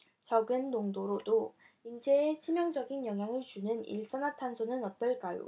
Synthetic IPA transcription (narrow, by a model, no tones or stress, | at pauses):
t͡ɕʌɡɯnːoŋdoɾodo | ind͡ʑʰeːt͡ɕʰimjʌŋd͡ʑʌɡinjʌŋɦjaŋɯɭt͡ɕunɯnḭɭs͈ʌnatʰansʰonɯnʌt͈ʌɭk͈ajo̰